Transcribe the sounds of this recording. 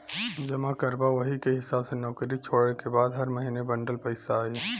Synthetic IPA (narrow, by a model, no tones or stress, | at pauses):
d͡ʒɐmakəɾbaʋəɦikeɦɪsaːbsenɔːkɾit͡ʃʰoːɽekebaːd̪ɦɐɾməɦiːnebəɳɖəlpəɪsaːe